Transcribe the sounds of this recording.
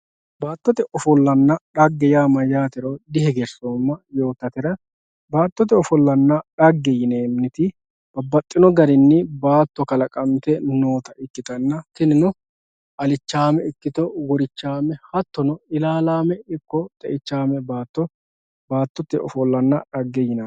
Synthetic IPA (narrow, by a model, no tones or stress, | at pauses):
baːt̪ːɔt̪ɛʔɔfɔlːɐnːɐɗɐɡːɛjaːmɐjaːt̪ɪɾɔd̪ɪɦɛɡɛɾsomːɐjo̞ːt̪ːɐt̪ɛɾɐ | baːt̪ːɔt̪ɛɔfɔlːɐnːɐᶑɐɡːɛjɪneːmnɪt̪ɪ | b̥ɐbːɐt̪ʼːɪnɔɡɐɾɪnːɪbaːt̪ːɔkɐlɐkʼɐnt̪ɛnoːt̪ɐʔɪkːɪt̪ɐnːɐt̪ɪnɪnʊ | ʔɐlɪt͡ʃːaːmɛɪkːɪt̪ɔɡɔɾɪt͡ʃːaːmɛhɐt̪ːɔnɔɪlaːlaːmɛɪkːɔt̪ʼɛʔɪt͡ʃːaːmɛbaːt̪ːɔ | baːt̪ːɔt̪ɛɔfɔlːɐnːɐᶑɐɡːɛjɪnɐ